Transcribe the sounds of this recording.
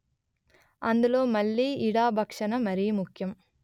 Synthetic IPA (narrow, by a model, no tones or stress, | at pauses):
ɐnd̪ɯloːmɐlːiːɽaːbʱɐkʂɐnɐmɐɾijɐmʊkjɐm